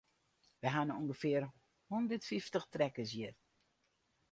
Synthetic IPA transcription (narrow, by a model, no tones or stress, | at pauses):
ʋəɦanuŋɡəfɪər | hundərtfiftəxtrɛkəs̬jər